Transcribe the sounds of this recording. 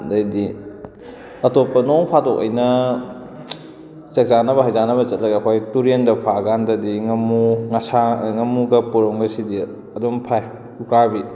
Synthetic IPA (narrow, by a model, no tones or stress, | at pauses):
dɐjdi | ɐtopːɐnoŋpʰatokɐ̰jnɐ | t͡ʃɐk̚zanɐbɐɦajzanɐβɐt͡ʃɐt̚lɐɡɐːkʰojtuɾendɐpʰaɡandɐdiŋɐmuŋɐsaŋɐmuɡɐpuɾoŋbɐsidi | ɐdompʰaj | ukabi